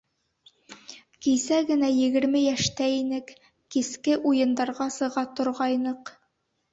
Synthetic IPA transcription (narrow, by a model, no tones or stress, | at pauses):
kijsæɡɘ̆næjɘ̆ɡɘ̆ɾmɘjæʃt̪æinɘk | kiskɘʔujɤ̆nd̪ɑɾʁɑsɤ̆ʁɑt̪ŏɾʁɑjnɤq